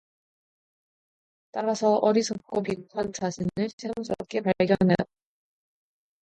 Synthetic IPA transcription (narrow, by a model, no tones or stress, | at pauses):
t͈aɾasʰʌʔʌɾisʰʌp̚k͈opiɡukʰant͡ɕaɕʰinɯɭt͡ɕʰeŋs͈ɯɾʌp̚k͈e̞paɡjʌnne